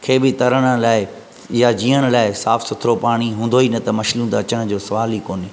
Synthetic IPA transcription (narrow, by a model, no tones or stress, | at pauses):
kʰeːbɪt̪ɐɾəɽ̃ə̆laːɪ | jad͡ʑiːəɽ̃laːɪsaːfsʊt̪ʰɾopaːɽ̃iɦũːnd̪oiːnɐt̪ɐmɐʃlũːd̪aːt͡ɕəɽ̃ʊ̆d͡ʑoːsɐʋaːlikoːnɪ